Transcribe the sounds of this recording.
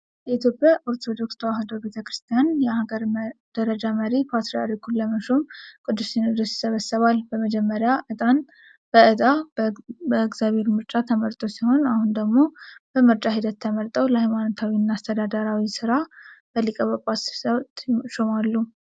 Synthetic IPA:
jɛit̪ʰjo̞pʼjaʔo̞ɾt̪ʰo̞d̪o̞kst̪ʰəwaɦad̪obe̞t̪ʰəkɾɨst̪ʰijanjɛhaɡəɾd̪̥əɾəd͡ʒaməɾipʰat̪ɾia̰ɾikʰulːəməʃomkʼɨd̪ːusinɨd̪osjɪ̥səβəsːəβalbəməd͡ʒɛmːəɾjaʔɨt̪ʼan | b̥əɨt̪ʼa | bəɨɡzjaβhe̞ɾmɨɾt͡ʃʼat̪ʰəməɾt̪ʼo̞siho̞nahund̪əɡmo̞b̥əmɨɾt͡ʃʼaɦid̪ət̪ːʰəməlt̪ʼəwləhajmanot̪ʰawiɨnːaːst̪ʰəd̪ad̪əɾawisɨɾab̥əlːikʼəβəpʼassət̪ʃomalːu

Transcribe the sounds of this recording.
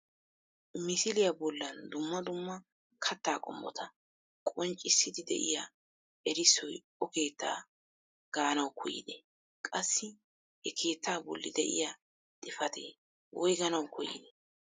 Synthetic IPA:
mɪsɪlɪjɐbɔlːɐnd̪ʊmːɐd̪ʊmːɐ | kʰɐt̪ːaːkʼɔ̰mːɔ̰t̪ʰɐ | kʼɔnt͡ʃʼːɪsːɪd̪ɪd̪ɛ̰ʔɪ̰ja | ʔɛɾɪsːɔj | ɔke̞ːt̪ːa̰ː | ɡ̥aːnɐwkʰɔjɪ̰d̪ḛː | kʼɐsːɪ | hɛkʰe̞ːt̪ːaːbɔ̰lːɪ̰d̪ɛʔɪ̰ja | d̪ʼɪfɐt̪ʰḛː | wʔɔjɡɐnɐwkʰɔjɪ̰d̪ɛ

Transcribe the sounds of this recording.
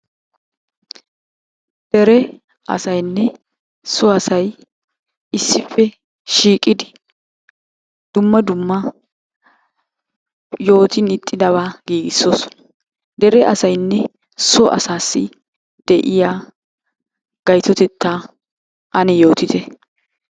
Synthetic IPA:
d̪̥ɛɾɛ | ɐ̰sɐjnːɛ | sɔɐsɐj | ɪsːɪfːɛ | ʃiːkʼːɪd̪ɪ | d̪̥ʊmːɐd̪ʊmːɐ | jo̞ːt̪ɪnɪt̪ʼːɪd̪ɐβaːɡiːɡɪsːoːsɔ̥nɐ | d̪ɛɾɛʔɐsɐjnːɛ | sɔʔɐ̰saːsːɪ | d̪̥ɛʔɪjaː | ɡ̥ɐjt̪ɔt̪ɛt̪ːaː | ʔɐnɛjo̞ːt̪ɪt̪ɛ

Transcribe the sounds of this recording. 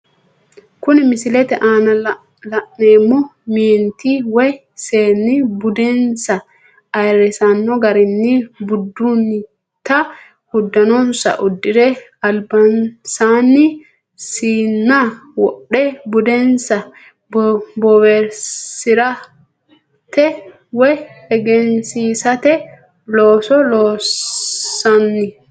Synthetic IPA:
kʊnɪmɪsɪlɛt̪ɛʔaːnɐ | lɐʔneːmːʊmiːnt̪iwɛj | seːnːɪbʊd̪ensɐ | ɐjɾɛsanːɔɡɐɾɪnːibʊd̪ːunːɪ | t̪ːɐ | hʊd̪ːɐnɔnsɐ̰ʔʊd̪ːɪɾɛɐlbɐnsaːnːɪ | siːnːawɔɗːɛbʊd̪ɛnsɐ | bbɔwɛɾsɪɾɐ | t̪ɛ | wɛhɛɡɛnsiːsɐt̪ɛ | loːsɔloː | ɐnːɪ

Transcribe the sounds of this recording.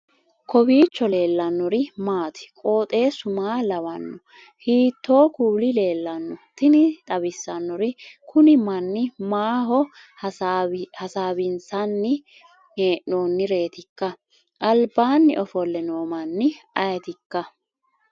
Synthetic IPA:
kʰɔbiːt͡ʃːɔle̞ːlːɐnːɔɾɪmaːt̪ɪ̥kʼo̞ːt̪ʼe̞ːsʊmaːlɐwɐnːɔ | hiːt̪ːo̞ːkuːlɪle̞ːlːɐnːɔt̪ɪnɪt̪ʼɐbɪsːɐnːɔɾɪkʰʊnɪmɐnːɪmaːɦɔ | hɐsaːbɪnsɐnːɪ | eːʔnoːnːɪɾe̞ːt̪ɪkːɐ | ʔɐlbaːnːɪʔɔfɔlːɛnoːmɐnːɪɐjt̪ɪkːɐ

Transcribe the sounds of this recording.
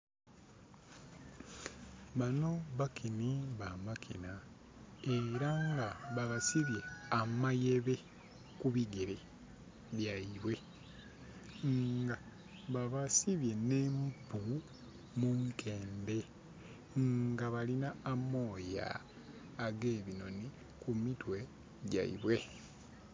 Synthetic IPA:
βano̞βakʰiniβamakʰina | eɾaŋɡaβaβasiβje̞amajeβe̞ | kuβiɡeɾe | βjaiβwe̞ | ɡa | βaβasiβje̞neːmpu | muŋkʰe̞ːmbe̞ | ŋɡaβalinaːmo̞ːja̰ː | ɡe̞ːβino̞ni | kumitwe̞ | ɟa̰ḭβwe̞

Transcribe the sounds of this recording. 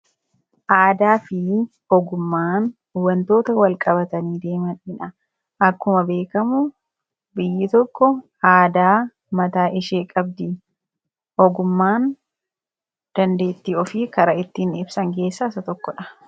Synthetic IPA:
ʔaːd̪aːfɪ | ɔɡʊmːaːn | ʊwːɐnt̪o̞ːt̪ɐwɐlkʼɐbɐt̪ɐniːd̪e̞ːmɐnɪᶑɐ | ʔɐkːʊmɐbe̞ːkɐmʊ | bɪjːɪt̪ɔkːɔ | aːd̪aː | mɐt̪aːʔɪʃeːkʼɐb̚d̪ɪ | ɔɡʊmːaːn | d̪̥ɐnd̪e̞ːt̪ːiːɔfikɐɾɐɪt̪ːinɪbsɐŋke̞ːsːɐɪsɐt̪ɔkːɔᶑɐ̥

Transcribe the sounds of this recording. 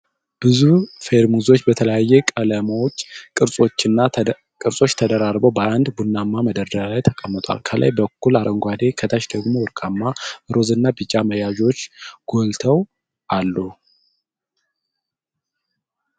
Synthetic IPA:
b̥ɨzufeɾmuzo̞t͡ʃːbət̪ʰələjajːɛkʼələmawot͡ʃːkʼɨɾsʼo̞t͡ʃːɪnːa | kʼɨɾsʼo̞t͡ʃːt̪ʰəd̪əɾaɾbəwbəʔand̪bunːamːaməd̪əɾd̪əɾalajt̪ʰəkʼəmːət̪ʼwa̰lkʰəlʔa̰jbəkʰːulaɾʔəŋɡʷad̪e̞kʰət̪ʰaʃd̪əɡmo̞wɨɾkʼamːaɨɾo̞zɨnːabɨt͡ʃʼːaməjaʒo̞t͡ʃːɡ̥o̞lt̪ʰəw | ʔalːu

